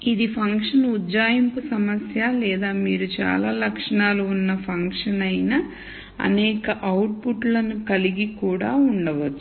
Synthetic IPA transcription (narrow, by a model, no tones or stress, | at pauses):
id̪ipʰɐŋkʂɐnud̪d͡ʒaːjimpusɐmɐsjaːlɛːd̪aːmiːɾut͡ʃa̰ːlaːlɐkʂɐɳaːluunːɐpʰɐŋkʂɐnɐjnɐ | ɐ̰nɛːkɐʔɐwʈ̚puʈlɐnukɐliɡikuːɽa̰ːuɳɖɐʋɐt͡ʃːu̥